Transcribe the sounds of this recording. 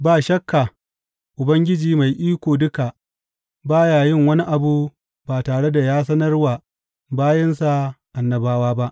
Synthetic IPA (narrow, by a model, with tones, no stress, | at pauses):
baː˦˨ʃɐ˦kʰːa˨ | ʔʊ˨bɐ˦ŋɡʲɪ˦d͡ʒiː˨ma˨jʔiː˦kʷoː˨dʊ˦ka˨ | baː˦jaː˨jɪ˦ŋwɐ˦ni˦ʔa˨bu˦ | baː˨taː˨ɽe˦da˨jaː˦s̬ɐ˦nɐ˦rwaː˨ | baː˦jɪ˦nsa˨ʔa˨nːɐ˨baː˦waː˦ba˦ʔ